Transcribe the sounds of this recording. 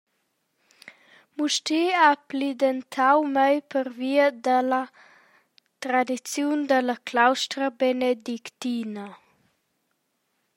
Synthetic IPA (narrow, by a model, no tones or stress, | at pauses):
muʃtiaplid̪ent̪ʰawmajpəɾviəd̪ələ | t̪ɾad̪it͡sjund̪ələklawʃtɾəbened̪ikt̪inə